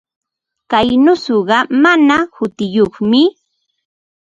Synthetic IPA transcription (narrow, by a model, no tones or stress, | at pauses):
kajnʊsʊɢɑmanahʊt̪ɪjoχmɪ